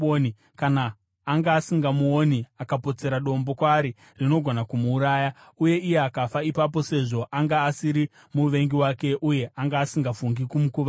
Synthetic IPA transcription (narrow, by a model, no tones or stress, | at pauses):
ni | kanaː | ŋɡaːsiŋɡamuoniakapo̞t͡se̞ɾaɗo̞mbo̞kwaːɾi | rino̞ɡʱo̞nakumuːɾaːjauje̞ijeakafaipap̬o̞se̞ʐo̞ʔaŋɡaːsiɾi | muʋe̞ŋɡiwake̞ʔuje̞ʔaŋɡaːsiŋɡafuŋɡikumukuʋa